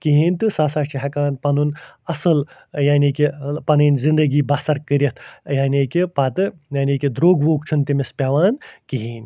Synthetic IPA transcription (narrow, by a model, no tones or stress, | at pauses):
kiɦiːnʲt̪ɨsaːsaːʃt͡ʃʰiɦɐkaːnpɐnunɐsɨl | jaːnikʲipɐnɨːnʲzind̪ɐɡiːbɐsɐɾkəɾʲit̪ʰjaːnʲikipɐt̪ɨjaːniːkid̪ɾoːɡʋoːk̚t͡ʃʰunt̪imispʲaʋaːnkiɦiːnʲ